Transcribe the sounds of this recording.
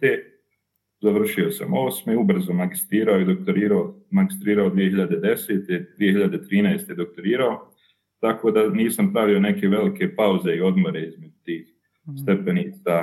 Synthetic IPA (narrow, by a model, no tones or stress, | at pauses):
e | zaʋr̩ʃio̞sa̰mo̞ːsmeubr̩zomaɡist̪ɾiːɾaojid̪ok̚t̪oɾiːɾaomaɡist̪ɾiːɾaod̪ʋije̞hiʎad̪e̞d̪e̞se̞ːt̪e̞d̪ʋije̞hiʎad̪e̞t̪ɾiːnajst̪e̞d̪o̞k̚t̪o̞ɾiːɾao̞ | t̪ako̞ːd̪aniːsampɾaʋio̞ne̞ke̞ʋe̞like̞pauze̞io̞d̪mo̞ɾe̞izmed͡ʒut̪iːx | st̪epe̞niːt̪sa